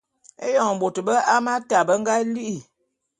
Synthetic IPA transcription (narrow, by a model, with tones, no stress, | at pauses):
e˦jɔ˨ŋ˨bo˨tə˨bə˦a˦ma˦ta˨bə˦ŋɡa˦li˦ʔi˦˨